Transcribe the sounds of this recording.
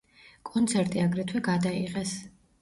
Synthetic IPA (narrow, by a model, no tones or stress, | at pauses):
kʼɔnt̪sʰɛɾt̪ʼiaɡɾɛt̪ʰwɛɡad̪aiʁɛs